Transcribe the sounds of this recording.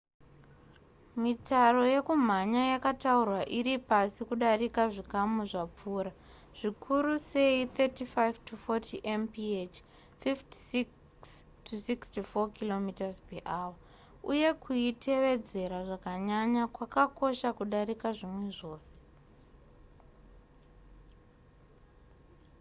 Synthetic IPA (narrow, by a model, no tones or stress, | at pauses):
mitaro̞je̞kum̤aɲajakataurwaʔiɾipasikuɗarikaʐikamuʐap͡fuːɾa | ʐ̥ikʰuɾuse̞it̪etifajvtufotʰiʔempiet͡ʃ | fifti̥i | s | tʰusikstifokilo̞mitazpeʔawa | uje̞kuitʰe̞ʋe̞d͡ze̞ɾaʐakaɲaɲakwakako̞ʃakuɗaɾikaʐimwe̞ʐo̞ːse̥